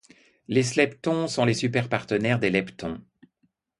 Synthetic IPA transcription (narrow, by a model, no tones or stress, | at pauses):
leslɛpt̪ɔ̃sɔ̃lesypɛʁpaʁt̪ənɛʁd̪elɛpt̪ɔ̃